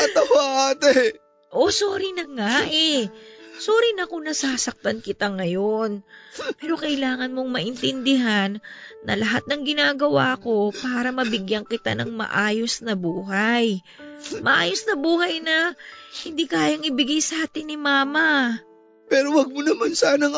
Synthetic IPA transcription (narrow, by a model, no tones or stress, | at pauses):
kɐt̪ɐwaʔaːt̪e | ʔo̞so̞ːɾɪnɐŋaʔɛ | soːɾɪnɐkʊnɐsaːsɐk̚t̪ɐnkɪt̪aŋɐjo̞npɛːɾo̞kɐʔɪlaːŋɐnmo̞ŋmɐʔɪnt̪ɪnd̪ɪɦanːɐ̰lɐɦat̪̚nɐŋɡɪnaːɡɐwa̰ːɐko̞paːɾɐmɐbɪɡjɐŋkɪt̪a̰nɐŋmɐ̰ʔaːjo̞snɐbuːɦaj | mɐʔaːjo̞snɐbuːhɐjnɐhɪnd̪iːkaːjɐŋʔɪbɪɡajsaːt̪ɪnːɪmaːmɐ | pɛːɾowɐɡ̚monɐmansaːnɐŋ